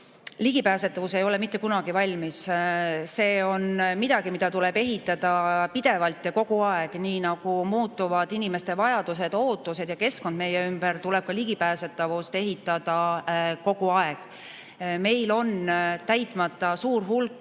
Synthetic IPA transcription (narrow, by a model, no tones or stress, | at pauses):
liɡ̥ipæːset̪ːˑɑvuse̞jo̞le̞mit̪ːˑe̞kunɑɡ̥ivɑlʲmis | se̞ːo̞nmid̪̥ɑɡ̥imid̪̥ɑt̪ule̞be̞ɦit̪ːˑɑd̪̥ɑpid̪̥e̞vɑlt̪jɑko̞ɡ̥uɑeɡ̥niːnɑɡ̥umuːt̪ˑːuvɑd̪̥inʲime̞st̪e̞vɑjɑd̪̥use̞d̪̥o̞ːt̪ːˑuse̞d̪̥jɑke̞sko̞nd̪̥me̞jːeymb̥ərt̪ule̞b̥̚kɑliɡ̥ipæːse̞t̪ːˑɑvust̪e̞ɦit̪ːˑɑd̪̥ɑko̞ɡ̥uɑeɡ̥ | me̞jlo̞nt̪æjt̪ˑmɑt̪ːˑɑsuːɾɦulkːˑ